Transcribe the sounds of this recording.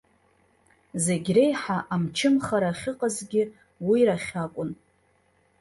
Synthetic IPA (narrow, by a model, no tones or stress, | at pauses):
zeɡʲre̞jħaʔamt͡ʃʰɪmχaɾaχʲɪqʼazɡʲɪ | wiɾaχʲakʷʼʊn